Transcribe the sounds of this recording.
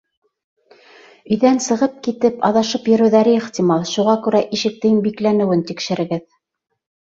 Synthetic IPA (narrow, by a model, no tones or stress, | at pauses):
ɵ̆jðænsɤ̆ʁɤp̚kit̪ɘpɑ̰ðɑʃɤpjɵ̆ɾɘ̆wðæɾɘeχt̪ʲimɑlˠʃuʁɑkʉɾæʔiʃɘ̆k̚t̪ɘ̆jnbiklænɘ̆wɘnt̪ikʃɘ̆ɾɘ̆ɡɘð